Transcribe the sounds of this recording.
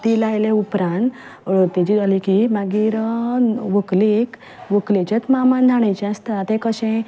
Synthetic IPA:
t̪ilajleupɾãnt̪ | t̪ɛt͡ɕid͡zalikimaɡiɾəʋəklek | ʋəklet͡ɕat͡s̪mamãnd̪ʱaɽ̃ẽt͡ɕɛ̃ast̪at̪ẽkəɕẽ

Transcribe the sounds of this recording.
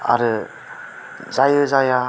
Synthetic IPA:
a̰ɾɯ | zajɯzaja

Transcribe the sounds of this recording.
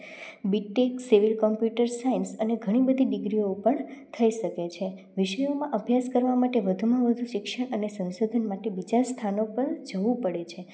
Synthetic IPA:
biʈːeksiʋilkɔmpjuʈəɾsainsəneɡʱəɽ̃ibəd̪ʱiɖɪɡɾiopəɳt̪ʰəiʃəket͡ʃʰe | ʋɪʃəjomãʔəbʱjaskəɾʋamaʈeʋəd̪ʱumãʋəd̪ʱũʃɪkʃəɳənesə̃nsod̪ʱənmaʈebid͡ʒast̪ʰanopəɾd͡ʒəʋũpəɽet͡ʃʰe

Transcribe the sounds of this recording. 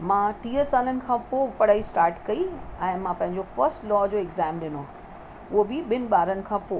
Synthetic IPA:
mãːt̪ĩːɦəsaːlənɪ̆kʰãːpoːɡpɐɽ̤aːisʈaːɾʈkɐiɛ̃ːmãpɐ̃ɦɪ̃ɲd͡ʑofɐɾsʈlɔːd͡ʑoːɪɡzaːmɗɪno | ʊɦobɪɓɪnɪ̆ɓaːɾənɪ̆kʰãːpoː

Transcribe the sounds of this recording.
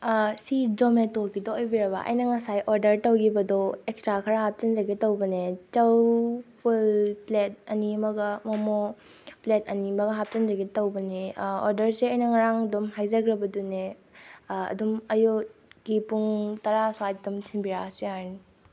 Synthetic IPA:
sid͡ʒometokidoojbiɾɐbɐ̰ʔɐ̰jnɐŋɐsajʔoɾdɐɾtɐwɡibɐdɔekstɾakʰɐɾaɦap̚t͡ʃɐnd͡ʒɐɡetɐwbɐnet͡ʃɐwpʰulplet̚ɐnimɐɡɐmɔmo | pletʰɐnimɐɡɐɦap̚t͡ʃɐnzɐɡetɐwbɐneoɾdɐɾseɐjnɐŋɐɾaŋdumɦajzɐɡɾɐbɐdune | ɐ̰dumɐjoɡ̥ipuŋtɐɾaswadumtʰinbiɾaseajni

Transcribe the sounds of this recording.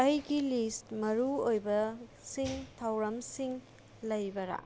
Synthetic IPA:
ɐjɡilistmɐɾuojbɐ | siŋtʰɐwɾɐmsiŋ | lɐjbɐɾa̰

